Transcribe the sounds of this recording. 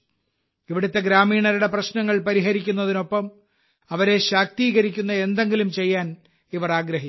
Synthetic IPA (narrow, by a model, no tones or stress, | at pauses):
iʋiɽut̪ːe̞ɡɾaːmiːɳɐɾuɽe̞prɐɕnɐŋːɐɭpɐɾiɦɐɾikʲːun̪ːɐðino̞pːɐm | ɐʋɐɾe̞ɕaːk̚t̪iːɣɐɾikʲːunːɐe̞nd̪e̞ŋɡilumt͡ɕe̞jːaːn | iʋɐraːɡɾɐɦi